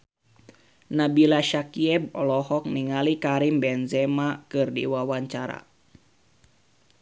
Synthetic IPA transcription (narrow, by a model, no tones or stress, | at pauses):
nabilaʃakiɛb̚ɔlɔhɔk̚niŋalikaɾimbɛnzɛmakɨrdḭwawaɲt͡ʃaɾa̰